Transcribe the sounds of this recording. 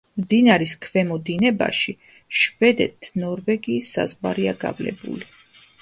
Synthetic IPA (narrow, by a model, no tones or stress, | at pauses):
md̪inaɾiskʰvɛmɔd̪inɛba̰ʃi | ʃvɛd̪ɛ̰t̪ʰnɔɾvɛɡiːsːa̰zvwaɾiaɡa̰vlɛ̰bṵli